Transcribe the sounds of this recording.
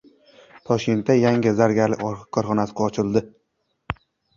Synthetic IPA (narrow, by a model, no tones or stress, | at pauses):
t̪ʰɒʃkʲe̞nt̪ːajaŋʲɪzaɾɡʲaɾlɪ̰ɒɾqʰɨ̥kʰːɒɾχɒnasɪ̥qɒt͡ʃʰɪlˠd̪ɪ